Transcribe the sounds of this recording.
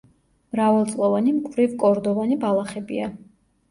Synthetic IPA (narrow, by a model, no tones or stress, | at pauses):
mɾavalˠt̪sʼlˠɔvanimkʼvɾivkʼɔɾd̪ɔvanibalˠaχɛbḭa